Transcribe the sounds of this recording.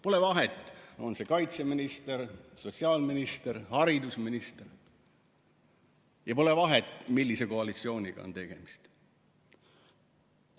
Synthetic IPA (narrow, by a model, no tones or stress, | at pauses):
po̞levɑɦe̞t̪ːˑo̞nse̞kɑjt̪se̞minist̪eɾso̞siɑːlminist̪e̞ɾhɑɾid̪usminist̪e̞r | jɑpo̞le̞vɑɦe̞t̪ːˑmilʲːise̞ko̞ɑlit̪sio̞ːnʲiɡ̥ɑ̰o̞̰nt̪e̞ɡ̥e̞mist̪